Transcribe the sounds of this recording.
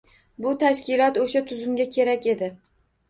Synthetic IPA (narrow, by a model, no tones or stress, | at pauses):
bʊt̪ʰaʃkʲɪlˠɒt̪oʃat̪ʰʊzʊmɡʲakʲʰe̞ɾakʲe̞d̪ɪ